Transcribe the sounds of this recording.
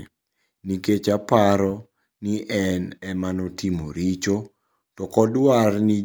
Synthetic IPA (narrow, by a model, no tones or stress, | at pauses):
niket͡ʃapaɾɔ | niʔɛnɛmanotimoɾit͡ʃo | tɔkɔdwarni